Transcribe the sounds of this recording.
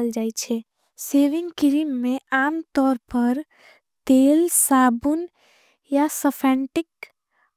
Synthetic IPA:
əld͡ʒaet͡ʃʰɛ | seːʋɪ̃ŋɡkɪɾimːẽaːmt̪ɔːɾpəɾ | t̪eːlsabun | jasəpʰɛ̃ɳʈɪk

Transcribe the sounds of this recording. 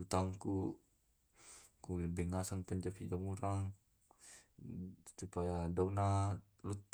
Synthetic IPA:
ut̪aŋku | kubɛŋasaŋpəɲd͡ʒapid͡ʒaŋuɾaŋ | supajadauna | lut̪̚

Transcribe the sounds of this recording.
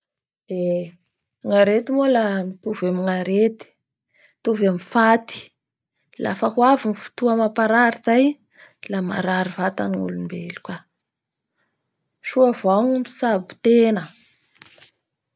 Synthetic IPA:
d̪̥e | ŋaɾet̪imolamit̪uvamiŋaɾet̪i̥ | t̪uvamifat̪i̥ | la̰fəhwavinifu̥t̪uamapaɾaɾizaj | lama̰ɾaɾivat̪a̰niŋṵlunimbelu̥ka | ʃuavaŋui̥sabu̥t̪enə

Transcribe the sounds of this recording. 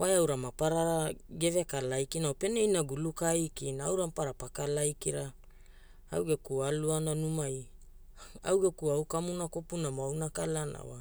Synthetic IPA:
wajawɾamapaɾaɾɡe̞vekalajkinawpe̞nejnaɡulukajkinaawɾampaɾapakalajkiɾa | a̰wɡekualuananumaj | a̰wɡekuawkamunako̞punamoawnakalana̰wa

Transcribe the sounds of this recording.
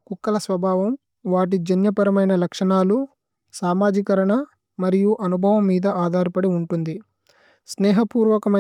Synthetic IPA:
kukːɐlɐsʋɐbʱaːʋɐm | ʋaːʈ̬id͡ʒɐnjɐpɐɾɐmɐjnɐlɐkʂɐɳaːlu | saːmaːd͡ʒikɐɾɐɳɐ | mɐɾijuʔɐnubʱɐʋɐmːiːd̪ɐʔaːd̪ʱaːɾipɐɽiuɳʈund̪i | sneːɦɐpuːɾʋɐkɐmɐ

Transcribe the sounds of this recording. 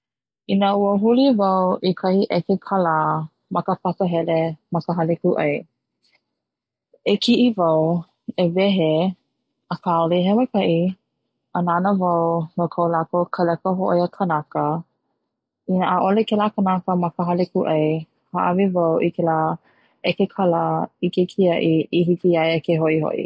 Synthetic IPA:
inəuəɦulivawʔikʰɐhiʔɛkekʰala | mɐkəfasəɦɛlemɐkəɦalikuʔɐj | ekʰiʔivaw | evɛɦe | əkʰaliɦɛwakʰɐʔi | ananəvɐwnokʰawlakokʰəlɛkəɦoʔjəkʰənakə | inəʔaʔolekɛlakənakəmɐkəɦɐlikuʔɐj | haʔavivawʔikʰɛla | ekekʰaləikekʰiɐʔiiɦikiɐjekeɦoʔiho̰ʔḭ

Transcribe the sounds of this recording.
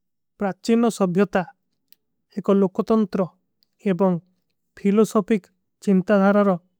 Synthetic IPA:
pɾat͡ʃinɔsɔbʱjɔt̪a | ekɔlokɔt̪ɔnt̪ɾɔ | ebɔŋ | pʰilɔsɔpʰik | t͡ʃint̪ad̪ʱaɾaɾɔ

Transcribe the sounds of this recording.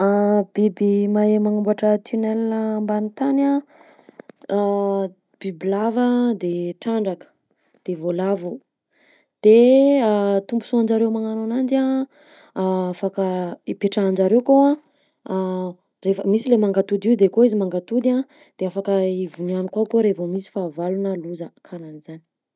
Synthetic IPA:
ab̥ibimaemaŋumbaʈ͡ʂət̪ʰunɛlnəmbanit̪ana | b̥ibilavəd̪eʈ͡ʂaɳɖ͡ʐakə̥ | d̪̥evolavu | d̪̥eat̪umbusuand͡ʒaɾewmaŋananand̪a | afakəipeʈ͡ʂaːnd͡ʒaɾewkoã | refəmisilemaŋɡat̪ud̪iwd̪ekoizimaŋɡat̪ud̪iã | d̪̥eafakəivunianikwakoɾevomisi̥favalunəluzəkʰananizani̥

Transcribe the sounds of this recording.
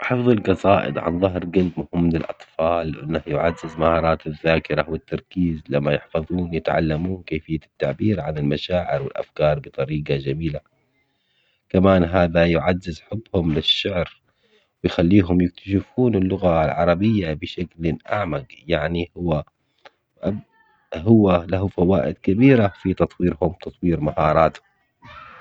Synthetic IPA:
ħɨfðˤɑlɡɑsaːʔɪ̰d̪ʕa̰nðˤɑɦɾɡald̪mʊhɪmːlɪlʔɑ̰t̪ˤfɑːlʔɪ̰nːahjʊʕazːɪzmahɑːɾˤɑːt̪ɪðːaːkɪɾawɪt̪ːɑɾˤkiːzlamːajɪħfɑðˤuːnjɪt̪ʕa̰lːamuːnkeːfɪjːat̪ːaʕbiːɾʕanɪlmaʃaːʕɪɾwɪlʔa̰fkɑːɾˤbɨt̪ˤɑɾiːɡɑd͡ʒamiːla | kamaːnɦaːðajʊʕazːɪzħʊbːhʊmlɪʃːaʕɾ | wɪjxalːiːɦʊmjɪk̚t̪ḁʃɪfuːnɪlːʊɣalʕɑ̰ɾˤɑbɪjːabɪʃaklɪnʔa̰ʕmaɡjaʕnihʊwːa | ʔa | hʊwːalaɦufawaːʔɪ̰d̪kabiːɾafit̪ɑt̪ˤwiːɾhʊmt̪ɑt̪ˤwiːɾmahɑːɾˤɑːt̪hʊm

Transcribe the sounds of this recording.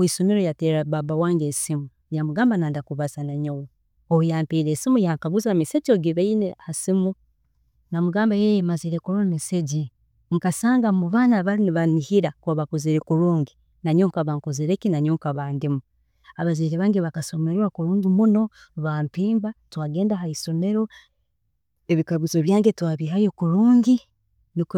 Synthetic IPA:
wisomiɾojateɾaβaβawaːŋɡesimu | jamuɡaːmbanaːndakuβasanaɲowo | oujaːmpiːɾesimujaŋkaβuzamiseɟoɡiβeineasimu | namuɡaːmbajejemaziɾekuɾomiseɟi | ŋkasaːŋɡamuβaːnaβaliniβanihiɾakwaβakuziɾekuɾuːŋɡi | naɲuːŋkaβaŋkoziɾekinaɲuːŋkaβaːndimu | aβaziɾeβaːŋɡeβakasomeɾwakuɾuːŋɡimuno̞ | βampiːmbatwaːɡe̞ːndaɦaiso̞me̞ɾo̞ | eβikaβuzoβjaːŋɡetwaːβiɦajokuɾuːŋɡi | nik

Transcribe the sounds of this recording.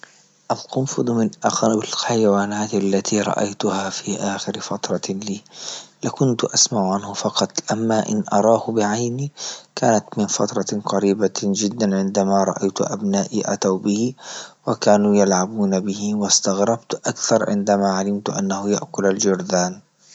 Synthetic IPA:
ʔalqʊmfɨd̪ˤmɪnʔaxbɪlħajwaːnaːt̪alːat̪ʰiːɾˤɑ̰ʔa̰jt̪ʊhaːfiːʔaːxɪɾfɑt̪ɾˤɑliːlakʊnt̪ʔasmaʕʊʕanhʊfɑqɑt̪ˤʔamːaʔɪ̰nʔɑ̰ɾˤɑːhʊbɪʕajniːkaːnat̪mɪnfɑt̪ɾˤɑqɑɾiːbad͡ʒɪd̪ːanʕɪnd̪amaːɾˤɑ̰ʔajt̪ʊʔa̰bnaːʔiʔa̰t̪awbɪhɪwakaːnujalʕabuːnabɪhɪwast̪aɣɾɑbt̪ʔakθɑɾˤʕɪ̰nd̪amaːʕalɪmt̪ʔa̰nːahʊjaʔkʊlald͡ʒʊɾd̪aːn

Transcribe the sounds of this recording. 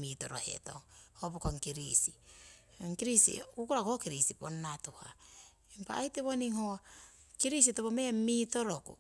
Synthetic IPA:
mitoɾohḛto̰ŋhopukoŋkiɾisi | ŋkiɾisḭukuɾakokiɾisiponːatuha̰ | impa̰ːjteβoniŋho | kiɾis̬itopomeamitoɾokṵ

